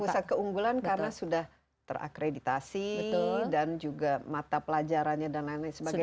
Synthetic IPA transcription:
pusat̪̚kəuŋɡulankaɾənasudah | t̪ə̰rʔa̰kɾedit̪asidand͡ʒuɡamat̪apəlad͡ʒaɾanɲadanlainlasəbaɡɡa

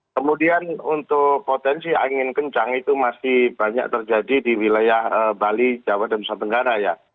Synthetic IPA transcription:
kəmudianunt̪ʊkpot̪ɛnsia̰ŋɪnkəɲt͡ʃaŋit̪umasɪhb̥aɲa̰k̚t̪ərd͡ʒadidiwilajahəbalid͡ʒawadanbusant̪əŋɡaɾaja

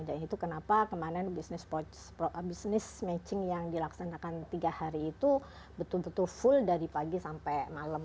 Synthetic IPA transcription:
danit̪ukənapakəmananbisnɪspɔt͡ʃ | pɔʔbisnɪsmɛt͡ʃɪŋjaŋdilaksanakant̪iɡahaɾiːt̪u | bət̪ʊlbət̪ʊlfʊldaɾipaɡisampɛmaləm

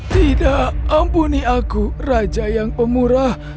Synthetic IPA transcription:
t̪idaʔəmpuniʔakurad͡ʒajaŋpəmuɾah

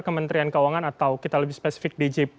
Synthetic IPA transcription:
kəmənt̪ɾiankəwaŋanat̪awkit̪aləbɪhspesi̥fɪk̚did͡ʒip

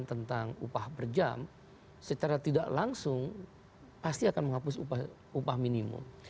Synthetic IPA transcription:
nt̪ənt̪aŋupahbərd͡ʒa̰m | sət͡ʃaɾat̪idaʔlaŋsʊŋ | past̪iakanməŋɦapʊsupa | upahminimʊ̰m

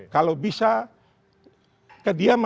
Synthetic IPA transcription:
kalobisa | kadiam

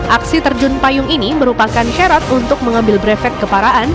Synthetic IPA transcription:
ʔaksit̪ərd͡ʒʊnpajʊŋiniməɾupakanʃaɾat̪unt̪ʊk̚məŋambɪlbɾɛfɛt̪̚kəpaɾaʔan

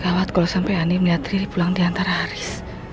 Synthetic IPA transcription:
kawat̪̚kalosampɛjanimliat̪ɾidipulaŋdiant̪aɾahaɾɪs

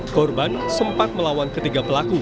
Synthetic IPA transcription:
kɔrbansəmpat̪̚məlawankət̪iɡapəlaku

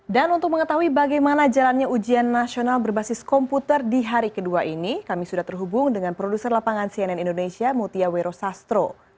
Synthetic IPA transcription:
danunt̪ʊk̚məŋət̪aɦuibaɡajmanad͡ʒalanɲaud͡ʒianːasionalbərbasɪskɔmput̪ərdiɦaɾikəduaʔinikamisudaht̪ərɦubʊŋdəŋanpɾodusərlapaŋansiɛnɛnindonesiamut̪iaweɾosast̪ɾo

